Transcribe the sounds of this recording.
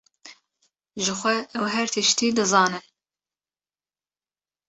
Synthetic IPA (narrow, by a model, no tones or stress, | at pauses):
ʒɨxʷɛʔɛwɦɛɾt̪ʰɨʃt̪iːd̪ɨzɑːnɨn